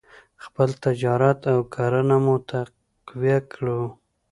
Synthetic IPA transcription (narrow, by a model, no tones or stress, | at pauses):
xpəlt̪ad͡ʒɑɾat̪awkʰaɾənamut̪a | qwjakɽu